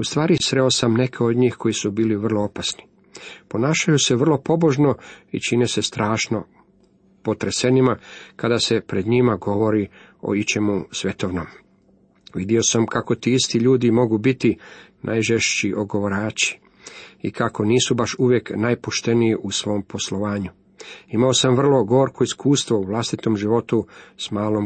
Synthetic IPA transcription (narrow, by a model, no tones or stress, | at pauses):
ust̪ʋaːɾisɾe̞o̞samne̞kʰe̞od̪ɲiːxkʰo̞jisubiːliʋər̩lˠoopasni̥ | po̞naːʃajuseʋr̩lo̞po̞bo̞ʒno̞it͡ʃinese̞st̪ɾaːʃno̞ | po̞t̪ɾese̞nimakad̪ase̞pɾe̞d̪ɲimaɡo̞ʋo̞ɾi | o̞̰it͡ʃemusʋe̞t̪oʋnom | ʋid̪io̞samkako̞t̪iist̪iʎuːd̪imo̞ɡubit̪inʔa̰jʒeʃt͡ʃiʔoɡo̞ʋoɾaːt͡ʃi̥ | ḭkako̞niːsubaʃuʋjeknajpoʃt̪e̞nijiʔusʋo̞ːmpo̞slo̞ʋaːɲu | imao̞samʋr̩lˠo̞ɡo̞oɾkʰoiskuːst̪ʋouʋlˠast̪it̪o̞mʒiʋo̞t̪usmaːlˠo̞m